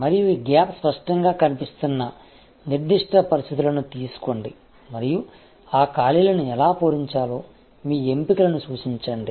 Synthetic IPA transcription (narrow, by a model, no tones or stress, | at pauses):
mɐɾijuiːɡaːpspɐʂʈɐŋɡaːkɐnipist̪unːɐ | niɾd̪iʂʈʰɐpɐɾist̪ʰit̪̬ulɐnut̪iːsu̥ko̞ɳɖi | mɐɾiju | aːkaːlilɐnuɛlaːpoːɾiɲt͡ʃaːlo̞ː | miːe̞mpikɐlɐnusuːt͡ʃiɲt͡ʃɐɳɖi